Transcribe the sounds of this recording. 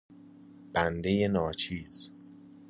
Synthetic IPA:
b̥ænd̪e̞je̞nɒːt͡ʃʰiːz̥

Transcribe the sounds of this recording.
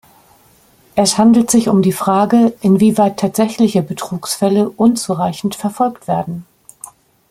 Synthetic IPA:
ʔɛshandl̩tz̥ɪçʊmdiːfʁ̥aːɡəʔɪnviːvaɪtʰaːtz̥ɛçlɪçəbətʁ̥uːksfɛləʔʊnt͡suʁaɪçn̩tfɛɐfɔlktv̥eːɐdn̩

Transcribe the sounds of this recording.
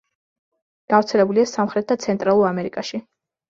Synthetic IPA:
ɡ̥avɾt̪sʰɛlɛbuliasamχɾɛt̪̚d̪at̪sʰɛnt̪ʼɾalˠuɾamɛɾikʼaʃi

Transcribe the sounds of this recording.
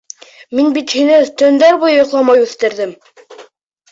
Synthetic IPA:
minbit̪hinɘt̪ɵ̆nd̪æɾbujɤjŏqlˠɑmɑjʉθt̪ɘ̆ɾðɘm

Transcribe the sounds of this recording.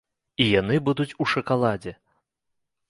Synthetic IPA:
ijanɨbud̪ut͡sʲuʂɐkalˠad͡zʲɛ

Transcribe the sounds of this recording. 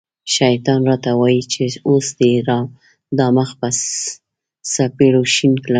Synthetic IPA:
ʃajt̪ɑnɾɑt̪awɑjit͡ʃeosd̪əiɾɑm | d̪ɑməxpas | sapeɽoʃinkla

